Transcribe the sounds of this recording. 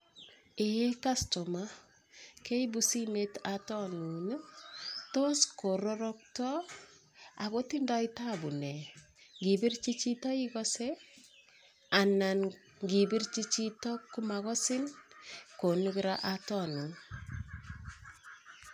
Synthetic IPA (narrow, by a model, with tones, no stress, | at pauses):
ee˦ka˦sto˨ma | ke˦ibusi˦me˦tatɔ˦nu˨n˦to˦sko˨ɾɔɾɔk̚tɔ˦ | a˨ko˦tinda˦i˦tabu˨nɛ˨ | ŋɡi˨bi˦rt͡ʃi˦t͡ʃi˦tɔ˦i˦kɔse | a˨na˨n | ŋɡi˨bi˦ɾt͡ʃi˦t͡ʃitɔ˦kːumaɣɔ˦sɪ˦nko˨nu˦kiɾaʔatɔ˦nu˨n